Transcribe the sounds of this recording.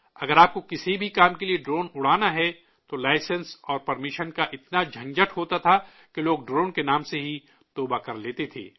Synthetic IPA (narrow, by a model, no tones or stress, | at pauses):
ɐɡəɾaːp̚kokɪsibʱikaːmkelieɖɾoːnʊɽ̤aːnaɦɛ | t̪olaːɪsə̃nsɔːɾpɐɾmɪʃənkaʔɪt̪nad͡ʒʱɐ̃ŋd͡ʒəʈɦoːt̪at̪ʰa | keloːɡɖɾoːnkenaːmseɦi | t̪oːbakɐɾleːt̪et̪ʰḛː